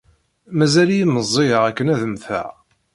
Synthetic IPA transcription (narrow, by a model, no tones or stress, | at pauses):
mæzælijiməzˤːiəʁækːənæðəmθæ̰